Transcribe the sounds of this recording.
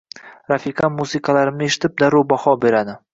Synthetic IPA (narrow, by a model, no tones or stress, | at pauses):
ɾafiqʰɑmusɪkʰɑlaɾɪmneʃɪ̥t̪ʰɪp̚d̪aɾubɒhɒbe̞ɾad̪ɪ